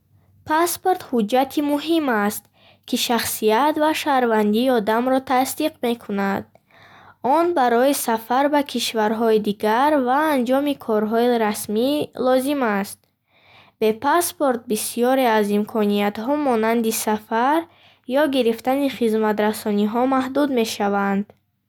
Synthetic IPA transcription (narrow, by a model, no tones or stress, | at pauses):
pʰaspo̞ɾt̪hud͡ʒːat̪ʰimuɦimast̪ | kʰiʃaχsiat̪vaʃaɾvand̪iːɔd̪amɾɔt̪ʰast̪iqme̞kʰunad̪̥̚ | ɔnbaɾɔisafaɾbakʰiʃvaɾɦɔid̪iɡaɾvaːnd͡ʒɔmikʰɔɾɦɔiɾasmilɔzimast̪̚ | b̥e̞pʰaspoɾt̪̚bisijɔɾeazimkʰɔniat̪ɦɔmɔnand̪isafaɾ | jɔɡiɾift̪aniχizmat̪ɾasɔniɦɔmahd̪ud̪me̞ʃavand̪̥